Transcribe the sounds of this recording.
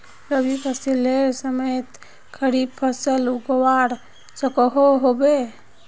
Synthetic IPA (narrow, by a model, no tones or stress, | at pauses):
ɾəbʱipʰəsilelsəməejt̪ | kʰəɾib̚pʰəsəlukəwaɾ | səkəɦoɦobe